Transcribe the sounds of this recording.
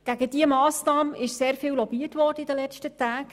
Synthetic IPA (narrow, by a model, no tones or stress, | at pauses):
ɡ̥æɡəd̥iəmɑːsnɑːmʔɪʃseːɾfɪːlwlɔbiːətʋɔːrdəɪdəlɛt͡ʃtətæːk